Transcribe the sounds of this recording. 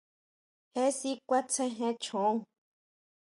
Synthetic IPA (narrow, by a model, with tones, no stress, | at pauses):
hẽ˦si˦kʷa˦t͡sʰẽ˦ɦẽ˧t͡ʃʰõ˨˦ŋ